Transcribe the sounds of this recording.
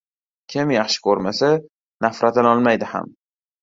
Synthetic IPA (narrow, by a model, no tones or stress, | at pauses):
kʲʰɪmjaχʃɪ̥kʰɵɾmasa | nafɾʔat̪anɒlˠmajd̪ɪha̰m